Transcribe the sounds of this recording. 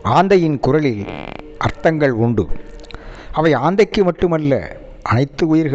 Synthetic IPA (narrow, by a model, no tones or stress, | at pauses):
aːnd̪ɐjɪnkʊɾɐɭɪl | ʔɐɾt̪ɐŋɡɐɭʊɳɖɯ̰ | ɐʋɐɪaːnd̪ɐɪkːɯmɐʈːɯmɐlːɐ̰ | ʔɐnɐɪt̪ːɯʊjɪɾɣ